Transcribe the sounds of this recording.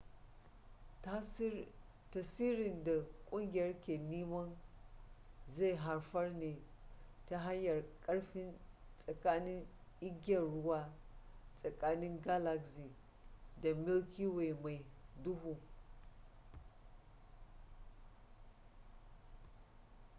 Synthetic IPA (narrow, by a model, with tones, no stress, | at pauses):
ta˨siː˦ɾɪ˨nda˨kʷʼʊ˦ŋɡʲɪ˨jɐ˦rkʲe˨ni˦mɐ˦n | za˦˨ɦa˨ɾfɐ˦rne˨ta˦ɦa˦jːɐ˨rkʼɐ˦ɽɸɪ˦nsʼɐ˨kaː˦nɪ˦ŋɪ˦ɡʲɐ˨nɽʊ˦waː˦sʼɐ˨kaː˦nɪ˦ŋɡa˦la˨ksi˨ | da˨mɪ˦lkʲi˦we˨ma˨jdʊ˦hu˨